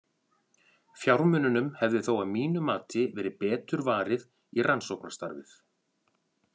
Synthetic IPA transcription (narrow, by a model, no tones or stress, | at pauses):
fjawɾmʏnʏnʏmhɛvðɪθowaðmiːnʏmaːt̪ɪvɛːɾɪpɛːt̪ʏɾvaːɾɪð | irʔansowknḁst̪a̰ɾvɪ̰θ